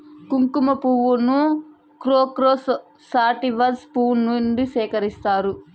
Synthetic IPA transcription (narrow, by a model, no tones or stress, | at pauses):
kuŋkumɐpuʋunu | kɾoːkɾoːs | saːʈiʋɐspuːnːunɖisɛːkɐɾist̪aːɾu